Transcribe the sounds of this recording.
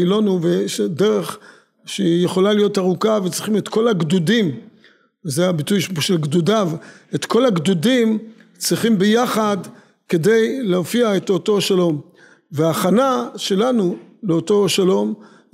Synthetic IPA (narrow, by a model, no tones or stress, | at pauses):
ilonuveʃedeʁe̞χ | ʃejeχo̞lalijo̞taʁukavet͡sʁiχime̞t̪ko̞laɡdudim | vezeabitujʃʃelɡdudavet̪ko̞laɡdudim | t͡sʁiχimbejaχad | ke̞de̞jleofiae̞t̪o̞to̞ʃalo̞m | veaːχanaʃe̞lanuleoto̞ʃalo̞m